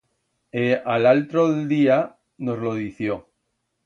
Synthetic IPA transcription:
ealalt̪ɾoðeld̪ia | nozloð̞iθjo

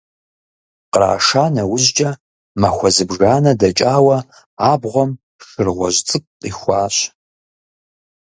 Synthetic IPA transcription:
qɾa̰ːʂaːnɐwʊʑd͡ʒʼɐ | mɐxʷɔzɨbʒaːnɐdɐt͡ʃʼaːwɐ | aːbʁʷɔm | ʂɨrʁʷɔʑt͡sʼɨk̚ʷʼqiːxʷaːɕ

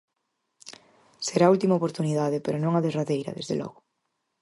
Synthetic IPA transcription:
seɾault̪imaopoɾt̪uniðaðepeɾonõŋaðezraðejɾɐ̰ðezðelʔɔ̰ɣʊ

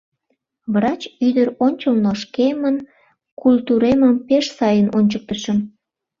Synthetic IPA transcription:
vrɑt͡ɕyd̪əɾonʲt͡ɕəlnoʃkemən | kult̪uɾeməmpeʃsɑjənonʲt͡ɕək̚t̪əʃəm

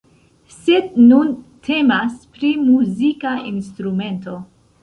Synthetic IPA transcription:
sednuntʰe̞maspɾimuzikainst̪ɾume̞nto̞

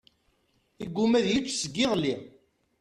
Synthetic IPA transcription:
iɡʷːumæðjit͡ʃːsəɡːɪʁli

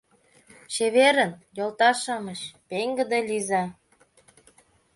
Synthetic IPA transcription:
ɕeβeɾənjolt̪ɑʃɑməɕpeŋɡə̆d̪elʲizɑ

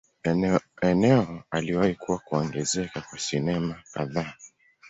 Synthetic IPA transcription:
ɛnɛɔaliwahikuwakuɔŋɡɛzɛkakwasinɛmaka̰ða

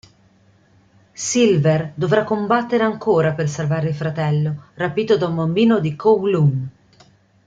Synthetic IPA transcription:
silverd̪ovɾakːombat̪ːeɾeaŋkʰoːɾapersalvaːɾeilfɾat̪ɛlːorapiːt̪od̪aumbambiːnod̪ikʰowlun

